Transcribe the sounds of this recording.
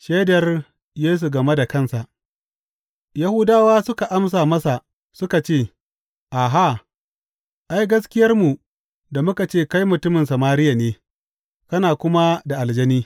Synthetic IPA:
ʃeː˦dɐ˨r | jeː˦s̬u˨ɡɐ˨me˦da˨kɐ˦nsa˨ʔ | ja˦hʊ˦daː˦waː˦sʊ˦ka˨ʔa˦ms̬aː˨mɐ˦sa˨ | sʊ˦ka˨t͡ʃeː˦˨ | ʔa˨ɦa˦˨ | ʔa˦jɡɐ˦s̬kʲɪ˦jɐ˦rmu˨ | da˨mʊ˦ka˨t͡ʃeː˦˨ka˦jmʊ˨tʊ˦mɪ˨nsɐ˨maː˦ɾɪ˦ja˨neː˦ | kɐ˦naː˨kʷʊ˦ma˦da˨ʔa˨ld͡ʒɐ˦niː˦

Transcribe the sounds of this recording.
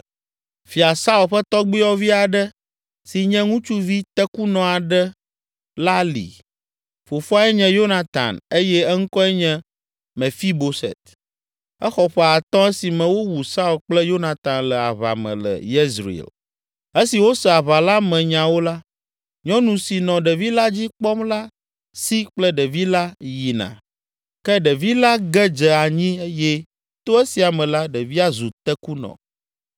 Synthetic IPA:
fi˨a˨sa˦u˨lɸɛ˦t̪ɔ˦ɡ͡bi˦ɔ˦vi˦a˨ɖɛ˦ | si˨ɲɛ̃˦ŋũ˦t͡ʃu˦vi˦t̪ɛ˦ku˦nɔ̃˨a˨ɖɛ˦ | la˦lḭ˨ | fo˨fo˦a˦ɛ˦ɲɛ̃˦jo˦na˨t̪a̰˨ne˦jɛ˦ɛ˦ŋ̩˦kɔ˦ɛ˦ɲɛ̃˦ | mɛ̃˨fi˦bo˨sɛ̰˨t̪ | ɛ˦xɔ˨ɸɛ˨a˨t̪ɔ̃˦ɛ˦si˨mɛ̃˨wo˦wu˨sa˦u˨lk͡plɛ˦jo˦nã˨t̪ã˨nlɛ˨a̰˨βa̰˨mɛ̰̃˨lə̰˨jɛ˦zɾḭ˨ɛ̰˨l | e˦si˨wo˦sɛ˨a˨βa˨la˦mɛ̃˨ɲã˨wo˦la˦ | ɲɔ̃˦nũ˨si˨nɔ̃˨ɖɛ˨vi˦la˦d͡ʑi˦k͡pɔ˦mla˦ | si˦k͡plɛ˦ɖɛ˨vi˦la˦ji˨nã̰˨ | kɛ˦ɖɛ˨vi˦la˦ɡɛ˦d͡ʒɛ˨a˨ɲĩ˦e˦jɛ˦ | t̪o˦e˦si˨a˨mɛ̃˨la˦ɖɛ˨vi˦a˦zu˨t̪ɛ˦ku˦nɔ̰̃˨

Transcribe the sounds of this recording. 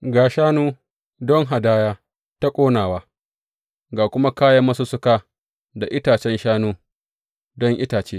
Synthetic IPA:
ɡaː˨ʃaː˦nuː˦ | dɔ˦ŋɦa˨daː˦jaː˦ | ta˦kʷʼoː˦naː˨waː˦ | ɡaː˨kʷʊ˦ma˦kaː˦jɐ˦mːɐ˦su˦sʊ˦kaː˦ | da˨ʔɪ˦taː˨t͡ʃɛ˦nʃaː˦nuː˦ | dɔ˦ŋʔɪ˦taː˨t͡ʃeː˦

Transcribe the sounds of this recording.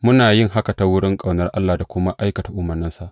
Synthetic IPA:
mʊ˦naː˨jɪ˦ŋɦa˦ka˨ta˦wʊ˦ɽɪ˦ŋkʼa˨wnɐ˦rʔa˦lːaː˨da˨kʷʊ˦ma˦ʔa˦jkɐ˨ta˨ʔʊ˦mɐ˨rnɪ˦nsa˨ʔ

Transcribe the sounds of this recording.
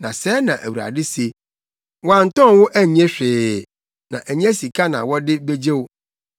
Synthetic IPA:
nã˨sɛː˦nã˨ʔæ˨wu˨ɾa̰˨dɪ˦se˦ | wɔ˨˦a˨n̩˨tɔ̃˦˨wʊ˦ʔæ˦˨ɲ˦ɛ̃˦ɕᶣɪː˨ | nã̰˨ʔæ˨ɲ̃˦ɛ˦si˨kʰa˦nã̰˨wɔ˦dɪ˦be˦d͡ʑe˦wʊ˦

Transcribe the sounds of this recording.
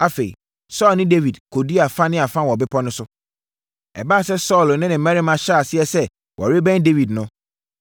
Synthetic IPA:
a˦fe˨ḭ˨ | sɔː˦lnɪ̃˦de˦vi˨dkʰo˨di˦a˨fã˦nɪ̃˦a˨fã˦wɔ˨bɪ˦pʰɔ˦nʊ̃˦sʊ˦ | ɛ̰˨ba˦˨sɛ˦sɔː˦˨lnɪ̃˦nɪ̃˨mɛ̃˦ɾi˦mã˨ɕa˦a˨sɪ˦ɛ˨sɛ˦ | wʔɔ̰˨ɾe˦bɛ̃˦nde˦vi˨dnʊ̃˦

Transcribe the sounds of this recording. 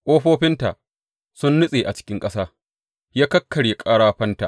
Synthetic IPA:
ʔoː˦ɸoː˦ɸɪ˦nta˨ | sʊ˦nːʊ˦sʼeː˨ʔa˨t͡ʃɪ̥˦kʲɪ˦ŋkʼɐ˦saː˦ | jaː˦kɐ˦kʰːɐ˨ɽje˨kʼaː˦ɽaː˦ɸɐ˦nta̰˨ʔ

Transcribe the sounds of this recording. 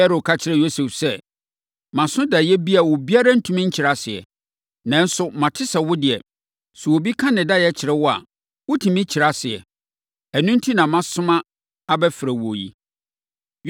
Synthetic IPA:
ɛ˦ɾo˨kʰa˦t͡ɕʰɪ˦ɾɛ˨jo˦sɛ˨fsɛ˦ | mã˨sʊ̃˦da˨jɛ˦bi˦a˨wɔ˨bi˦a˦ɾa˦n̩˦tʰũ˦mĩ˦ɲ̩˦t͡ɕʰɪ˨ɾa˦˨sɪ˨ɛ̰˨ | nã˦n̩˦sʊ˦mã˨tʰɪ˦sa˨wʊ˦dɪ˨ɛ˨ | sʊ˨wo˨bi˦kʰã˦nɪ̃˨da˦jɛ˦t͡ɕʰɪ˨ɾɛ˦wɔ˦a̰˨ | wʊ˦tʰĩ˨mɪ̃˦t͡ɕʰɪ˨ɾa˦sɪ˨ɛ̰˨ | æ˨nũ˦n˦tʰi˦nã˨mã˦sʊ̃˦mã˦ | a˦bɛ˦fɪ˨ɾæ˨wo˨jḭ˨

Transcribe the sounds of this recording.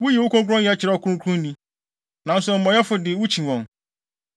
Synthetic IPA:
wʊ˦ji˨wʊ˦kʰɔ̃˦ŋkʰʊ˦ɔ̃˦njɛ˨a˦t͡ɕʰɪ˨ɾɛ˦ɔ˨kʰu˦ɾũ˦kʰũ˦n˦nĩ˦ | nã˨n̩˦sʊ˨m̩˨mɔ̃˨˦jɛ˦fʊ˨dɪ˨wʊ˦t͡ɕʰĩ˨wɔ̃˨n

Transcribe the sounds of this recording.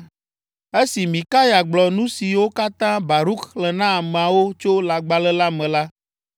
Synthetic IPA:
e˦si˨mĩ˨ka˦ja˨ɡ͡blɔ˨nũ˦si˨wo˦ka˦t̪ã˦ba˨ɾu˦kːlɛ˨nã˦a˨mɛ̃˨a˨wo˦t͡ʃo˦la˨ɡ͡ba˨lɛ˦la˦mɛ̃˨la˦

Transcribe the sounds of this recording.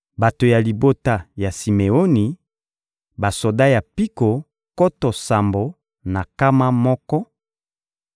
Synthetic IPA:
ba˨to˨ja˨li˨bo˦ta˦ja˨si˨me˨o˦ni˨ | ba˨so˨da˦ja˨pi˦ko˨ | kɔ˦tɔ˨sa˨mbo˨ | na˨ka˦ma˦mɔ˦kɔ˦

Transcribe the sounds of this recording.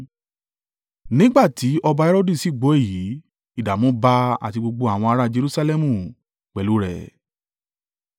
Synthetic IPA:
nĩ˦ɡ͡ba˦˨ti˨˦ɔ˧ba˧ɛ˦ɾo˦di˦˨si˨˦˨ɡ͡bo˨˦e˦˨ji˨˦ | i˦˨da˨mɔ̃˨˦ba˧a̰˨ti˧ɡ͡bo˧ɡ͡bo˧a˨w̃ɔ̃˧a˧ɾa˦d͡ʒe˧ɾu˦sa˧lɛ˦mũ˦˨ | k͡pɛ˨lu˨˦ɾɛ̰˦˨

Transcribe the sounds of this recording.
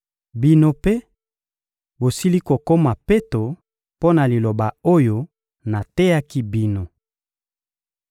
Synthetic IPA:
bi˦no˦pe˦ | bo˨si˦li˦ko˨ko˦ma˨pe˦to˨ | po˦na˨li˨lo˨ba˨o˦jo˦ | na˨te˦ja˦ki˦bi˦no˨

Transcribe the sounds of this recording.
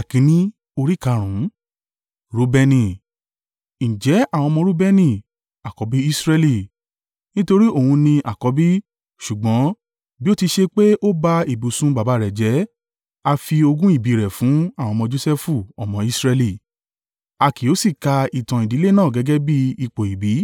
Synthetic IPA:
a˨kĩ˨˦nĩ˦ | o˧ɾi˦ka˧˨ɾ̃ũ˨˦ | ɾu˦bɛ˧nĩ˧˨ | ñ̩˨d͡ʒɛ˨˦a˦˨wɔ̃˧mɔ̃˧ɾu˦bɛ˧nĩ˦˧˨ | a˨kɔ˨˦bi˦i˦sɾɛ˧li˧˨ | nĩ˦to˧ɾi˦o˦˨hũ˧nĩ˧ʔa˨kɔ˨˦bi˦ | ʃu˨ɡ͡bɔ̃˨˦ | bi˦o˦ti˧ʃe˧k͡pe˦ʔo˦ba˧i˨bu˨sũ˦ba˨ba˨˦˨ɾɛ˨d͡ʒɛ˨˦ | a˧fi˧o˧ɡũ˦i˦˨bi˨˦ɾɛ˨fũ˨˦a˦˨w̃ɔ̃˧mɔ̃˧d͡ʒo˦˧sɛ˦fu˦˨ɔ̰˨mɔ̃˧˦i˦sɾɛ˧li˦˨ | a˧ki˨o˨˦si˦˨ka˧i˨tã˨i˨di˨˦le˦nãː˦˨ɡɛ˨˦ɡɛ˦bi˦i˧˨k͡po˨i˨bi˨˦

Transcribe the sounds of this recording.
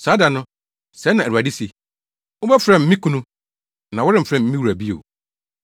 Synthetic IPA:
saː˨˦da˨nʊ̃˦ | sɛ˨˦nːã˨æ˨ɾu˨a˨ɪ˦se˨ | ʊ˦bɛ˦fɾɛ̃˨m̩˦mĩ˦kʰũ˦nũ˦ | nã˨wʊ˦ɾɪ˦m̩˨fɾɛ̃˨m̩˦ĩ˦wu˨ɾæ˨bi˦o̰˨

